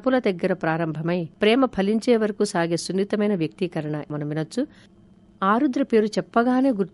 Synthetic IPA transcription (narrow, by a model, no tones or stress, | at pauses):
pulɐd̪ɐɡːɐɾɐpɾaːɾɐmbʱɐmɐjpɾɛːmɐpʰɐliɲt͡ʃeːʋɐɾɐkusaːɡeːsunːit̪ɐmɐjnɐʋjɐk̚t̪ikɐɾɐɳɐmɐnɐminɐt͡ʃːu | aːɾud̪ɾɐpe̞ːɾut͡ʃɛpːɐɡaːne̞ːɡuɾt̪